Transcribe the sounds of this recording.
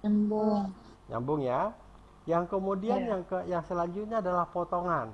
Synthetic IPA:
ambʊŋ | ɲa̰mbʊŋja | jaŋkəmudianjaŋkəjaŋsəlaɲd͡ʒut̪̚ɲaːdalahpot̪oŋan

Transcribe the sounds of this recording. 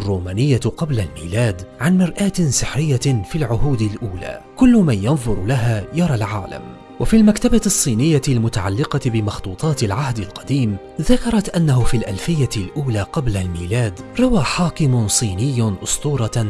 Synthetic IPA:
rˤːuːmaːnɪjːaqɑblalmiːlaːd̪ʕanmɪɾʔaːt̪ɪsɪħɾɪjːafilʕʊhuːd̪ɪlʔuːla̰ːkʊlːʊmanjɑnðˤʊɾˤlaɦaːjɑɾˤɑːlʕaːla̰m | wʔafiːlmakt̪abasˤːiːnɪjːaɪlmʊt̪aʕa̰lːɪqɑbɪmɑxt̪ˤuːt̪ˤɑːt̪ɪlʕahd̪ɪlqɑd̪iːm | ðakɑɾˤɑt̪ʔanːaɦʊfiːlʔalfɪjːaɪlʔuːlaːqɑblalmiːlaːd̪ɾˤɑwaːħaːkɪmʊsˤiːnɪjːʔʊst̪ˤuːɾˤɑ

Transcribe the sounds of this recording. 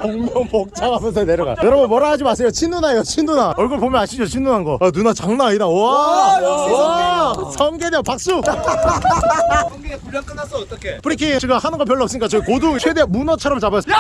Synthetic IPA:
oŋmʌŋmok̚t͡ɕ͈aɡamjʌns̬ʰʌneɾʌɡa̰kɯɾʌmʌnmʌɾaɦad͡ʑimas͈ʰejot͡ɕʰindunajot͡ɕʰindunaʌɭɡɯɭpomjʌnaɕʰid͡ʑot͡ɕʰinunɦanɡʌanunat͡ɕaŋnaidaoa | sʰʌmɡedeopak̚s͈u | iekuʎjak͈ɯnasʌːt̪͈ʌkʰekɯɾikʰit͡ɕiɡahanɯnɡʌp̬jʌɭːʌks͈ɯɲik͈at͡ɕʌikoduŋt͡ɕʰwedemunʌt͡ɕʰʌɾʌmt͡ɕabas

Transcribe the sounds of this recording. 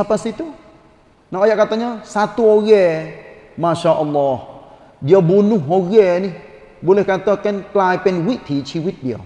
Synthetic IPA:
napasit̪u | naʔojaʔkat̪ɔɲɔsat̪uoɣɛmaʃaʔɔlːɔh | biabunuɦoɣɛni | bolehkat̪əkɛnklajpenwiʔt̪ʰit͡ʃʰiwit̪̚bia̰

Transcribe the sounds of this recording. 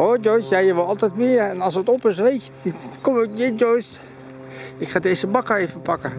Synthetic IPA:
od͡ʒɔjsjɛjəʋlˠɑlˠtɛjtmɪːəɹɛnɑlˠsətɔpɪs̬ʋejtjətnitkɔməjɪd͡ʒojs | ɪkχaːdejzəbɑkəɹejfəpɑkə

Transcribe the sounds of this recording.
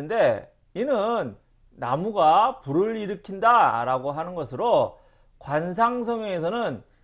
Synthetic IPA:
ɯnde̞ | inɯnː | amuɡapuɾɯɾiɾɯkʰindaɾaɡoɦanɯnɡʌsʰɯɾo | kwans̬ʰaŋs̬ʰʌŋjʌŋes̬ʰʌnɯn

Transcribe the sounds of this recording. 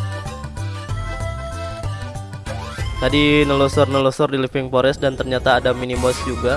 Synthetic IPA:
t̪adinəlɔsɔrnəlɔsɔrdilipɪŋpɔɾɛsdant̪ərɲat̪aːdaminimɔsd͡ʒuɡa

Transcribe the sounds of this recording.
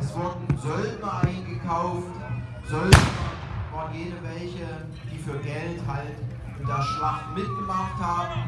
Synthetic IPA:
ʔɛsv̥ʊɐdn̩zɔlbɐʔaɪnɡəkʰaʊft | zɔlbɐ | v̥aːɐnjeːdəvɛlçə | d̥iːfyːɐɡɛlthalt | ʔɪnd̥eːɐʃlaχtmɪt̚ɡ̥əmaχthaːbm̩

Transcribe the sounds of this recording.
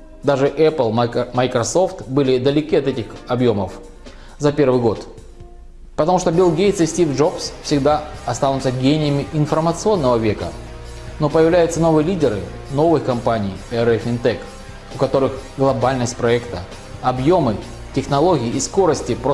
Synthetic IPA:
d̪aʐɨʔɛplˠmɐjkɾɐso̞ft̪bɨlʲɪd̪əlʲɪkʲiɐt̪ɛtʲɪxɐbjo̞məf | zɐpʲe̞rvɨjɡo̞t̪ | pət̪ɐmuʂt̪obʲɪlˠɡʲejt̪sɨsʲtʲivʐo̞psfsʲɪɡd̪aɐst̪anʊt̪səɡʲenʲɪjəmʲɪʔɪnfərmət̪sɨo̞nːəvəvʲe̞kə̰ | no̞pəjɪvlʲæjʊt̪səno̞vɨjəlʲidʲɪɾɨ̰ | no̞vɨxkɐmpanʲɪjɛɾɛfɪnt̪ɛk | ʊkɐt̪o̞ɾɨxɡlˠɐbalʲnəsʲt̚ʲpɾɐɛkt̪ə | ɐbjo̞mɨ | tʲɪxnɐlˠo̞ɡʲɪːsko̞ɾəsʲtʲɪp

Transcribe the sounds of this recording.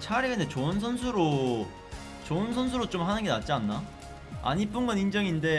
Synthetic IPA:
t͡ɕʰaɾeɡenet͡ɕoɯnsʰʌns̬ʰuɾo | t͡ɕoɯns̬ʰʌns̬ʰuɾot͡ɕ͈omhanɯŋɡenat̚t͡ɕ͈ianːa | a̰ɲip͈ɯŋɡʌnind͡ʑʌŋinde̞

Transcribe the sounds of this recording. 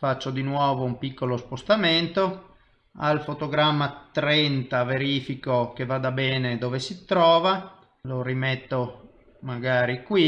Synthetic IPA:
fat͡ʃːod̪inwɔːvoumpikːolospost̪ament̪o | a̰lfot̪oɡɾamːat̪ɾɛnt̪aveɾiːfikok̟evad̪abɛːned̪oːvesit̪ɾɔːva | loɾimɛt̪ːo | maɡaːɾikwi

